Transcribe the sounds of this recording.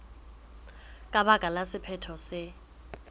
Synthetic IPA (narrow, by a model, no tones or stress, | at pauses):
kʼaɓaɡ̥ʱʼalasɪpʰɛtʰɔsɪ